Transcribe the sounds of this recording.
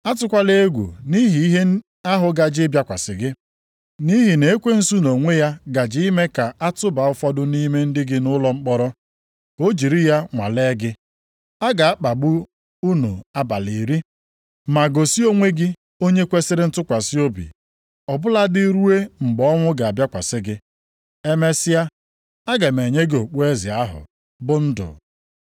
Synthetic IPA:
a˦tʊ˦kʷa˦le˦e˦ɡʷṵ˨ni˦ɦi˨i˦ɦe˦ | a˦ɦʊ˨ɡa˨d͡ʒɪ˦bja˦kʷa˨sɪ˨ɡɪ˦ | ni˦ɦi˨ne˨e˦kʷe˦n̩˦su˦no˨ŋʷe˦ja˦ɡa˨d͡ʒɪ˦i˦me˦ka˨a˦tʊ˦ba˨ʊ˦fɔ˦dʊ˦ni˦me˦n̩˦dɪ˦ɡɪ˦nʊ˦lɔ˦ŋ͡m̩˦k͡pɔ˦ɾɔ˦ | o˦d͡ʒi˨ɾi˦ja˦ŋʷa̰˨le˦ɡɪ˦ | a˦ɡa˨a˦k͡pa˨bʊ˦ | u˦nu˨a˦ba˨li˨ɾi˦ | ma˨ɡo˨si˦o˦ŋʷe˦ɡɪ˦ | o˦ɲe˦kʷe˦sɪ˦ɾɪ˦n̩˦tʊ˦kʷa˨si˦o˦bḭ˨ | ɔ˨bʊ˦la˦dɪ˦ɾu˦e˦ŋ͡m̩˨ɡ͡bɔ˦ŋʷʊ˦ɡa˨a˨bja˦kʷa˨sɪ˦ɡɪ˦ | e˦me˦sɪ˦ja˦ | a˦ɡa˨me˨ɲe˦ɡɪ˦o˨k͡pu˦e˦zɪ˨a˦ɦʊ̰˨ | bʊ˦n̩˦dʊ̰˨

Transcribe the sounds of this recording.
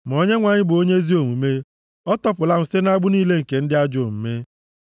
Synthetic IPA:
m˨o˦ɲe˦ŋʷa˨ɲɪ˦bʊ˨o˦ɲe˦zi˦o˨mu˨me˦ | ɔ˦tɔ˦pʊ˨la˦m̩˨se˦na˦ɡ͡bʊ˦niː˦le˦ŋ̩˨ke˨n̩˦dɪ˦a˦d͡ʒo˨m̩˨me˦

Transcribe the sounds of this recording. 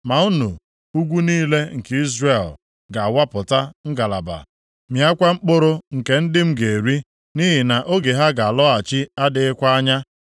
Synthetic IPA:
ma˨u˦nu˨ | u˦ɡʷu˦niː˦le˦ŋ̩˨ki˦zre˦˨l | ɡa˨a˨wa˦pʊ˨ta˦ŋ̩˦ɡa˨la̰˨ba̰˨ | mja˦kʷa˦ŋ͡m̩˦k͡po˦ɾo˦ŋ̩˨ke˨n̩˦dɪ˦m̩˦ɡe˨ɾi˦ | ni˦ɦi˨na˨ʔo˦ɡe˨ɦa˦ɡa˨a˨lɔ˦a˨t͡ʃi˦a˦dɪ˨ɪ˦kʷa˦a˦ɲa˦

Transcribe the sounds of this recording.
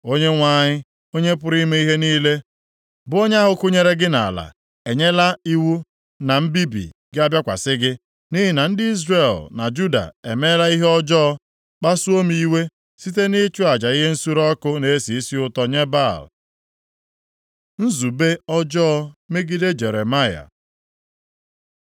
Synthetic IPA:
o˦ɲe˦ŋʷa˦˨ɲɪ˦ | o˦ɲe˦p̬ʊ˦ɾi˦me˦i˦ɦe˦niː˦le˦ | bʊ˦o˦ɲ˦a˦ɦʊ˨kʊ˦ɲe˦ɾe˦ɡɪ˦na̰˨la̰˨ | e˨ɲe˦la˦i˦wu˦ | na˨m̩˦bi˦bḭ˨ɡɪ˦a˦bja˦kʷa̰˨sɪ˦ɡɪ˦ | ni˦ɦɪ˨na˨n̩˦dɪ˦i˦zre˨lna̰˨d͡ʒu˦da̰˨ḛ˨me˦la˦i˦ɦe˦ɔ˦d͡ʒɔː˦ | k͡pa˦su˦o˦mii˦we˦ | si˦t̬e˦ni˦t͡ʃu˦a˨d͡ʒa˨i˦ɦe˦n̩˦su˦ɾɔ˦kʊ˦ne˦si˨i˦si˦ʊ˦tɔ˦ɲe˦ba˦˨l | n̩˦zu˨be˦ɔ˦d͡ʒɔ˦me˦ɡi˦de˦d͡ʒe˨ɾe˨ma˦ja̰˨

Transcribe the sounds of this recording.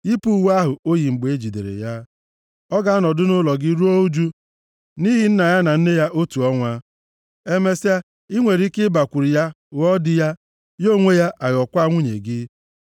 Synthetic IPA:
i˦pu˦˨wa˦ɦʊ˨o˦ji˨ŋ͡m̩˨ɡ͡be˨e˦d͡ʒi˨dḛ˨ɾḛ˨ja˦ | ɔ˦ɡa˦nɔ˨dʊ˦nʊ˦lɔ˨ɡɪ˦ɾu˦o˦u˦d͡ʒu˦ | ni˦ɦi˨n̩˦na˨ja˦na˨n̩˦ne˦ja˦ʔo˦tu˨ɔ˦ŋʷa˦ | e˦me˦sa˦ | i˦ŋʷe˨ɾi˦kɪ˦ba˨kʷu˨ɾi˨ja˦ | wɔ˦dɪ˦ja˦ | jo˦˨ŋʷe˦ja˦ʔa˨jɔ˨kʷa˦ŋʷu˦ɲḛ˨ɡɪ˦

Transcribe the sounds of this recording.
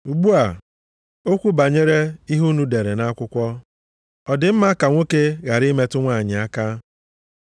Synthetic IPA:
u˨ɡ͡bu˦a˨ | o˦kʷu˦ba˨ɲe˦ɾe˦i˦ɦu˦nu˦de˨ɾe˨na˦kʷʊ˦kʷɔ˦ | ɔ˨dɪ˨m̩˦ma˦ka˨ŋʷo˦ke˦ɣa˨ɾi˦me˦tʊ˦ŋʷa˦˨ɲɪ˨a˦ka˦

